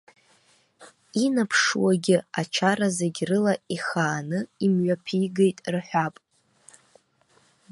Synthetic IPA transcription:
inapʰʂwaɡʲɪat͡ʃʰaɾazeɡʲrɨlaiχaːnɨimɥʷapʰiɡejtʼrħᶣʷapʼ

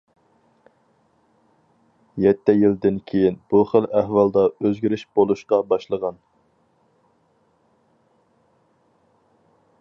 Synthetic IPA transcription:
jɛt̪ʰːɛjild̪ɪnkʲʰejinb̥uχəlæhwɑlˠd̪ɑøzɡʲiɾɪʃb̥olˠuʃqɑbɑʃlˠəʁɑn

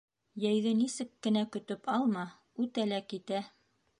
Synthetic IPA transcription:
jæjðɘnisɘkːɘ̆nækɵ̆t̪ɵpɑlˠmɑ | ʉt̪ælækit̪æ

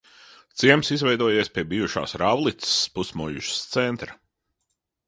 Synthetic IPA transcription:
t̪siɛmsizvɛjd̪uɔjeɛspʲiɛbiːjuʃa̰ːsɾawlˠit̪spusmujṵʃst̪sɛnt̪ɾɐ

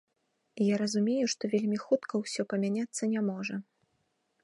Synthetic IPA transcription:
jaɾɐzumʲejuʂt̪ɔvʲelʲmʲixut̪kʰɐwsʲɔpɐmʲanʲat̪sːɐnʲamɔʐɐ

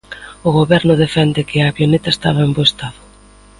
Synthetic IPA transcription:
ʊɣoβɛɾnʊðefɛnd̪ɪkɪɐβjonet̪aest̪aβaemboest̪aðʊ

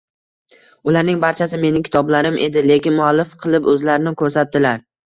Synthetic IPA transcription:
ʊlaɾnɪŋbaɾt͡ʃʰasɪme̞nɪkʲʰɪ̥t̪ʰɒblaɾɪmʔe̞d̪ɪle̞kʲɪnmʊalːɪfqʰɨlˠɪpɵzlaɾɪnɪkʰɵɾsat̪̚d̪ɪlaɾ

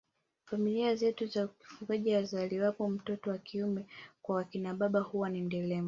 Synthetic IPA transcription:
familiazɛtuzaki̥fuɡaʄiazaliwapɔm̩tɔtɔwakʰiumɛkwawakinaɓaɓahuwanim̩dɛlɛmu

